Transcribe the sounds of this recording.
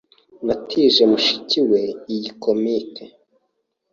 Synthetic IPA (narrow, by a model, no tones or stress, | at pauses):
natʰiʒe̞muʃi̥ciwe̞ijiko̞mitʰe